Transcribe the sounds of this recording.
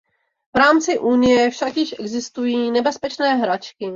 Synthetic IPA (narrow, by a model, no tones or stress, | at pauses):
vɾaːmt͡sɪʔunɪjɛfʃakjɪʃʔɛɡzɪst̪ujiːnɛbɛspɛt͡ʃnɛːɦɾat͡ʃkɪ